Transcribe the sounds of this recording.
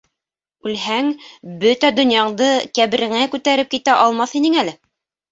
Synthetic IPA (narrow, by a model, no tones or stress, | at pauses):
ʉlhæŋbɵt̪æd̪ɵ̆njɑɴd̪ɤkæβɘ̆ɾɘ̆ŋækʉt̪æɾɘp̚kit̪æʔɑlˠmɑθinɘŋælɘ